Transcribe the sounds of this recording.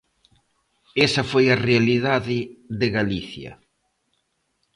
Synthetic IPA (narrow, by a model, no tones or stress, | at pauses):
esɐfojɐrealiðaðɪðɪɣaliθjɐ̰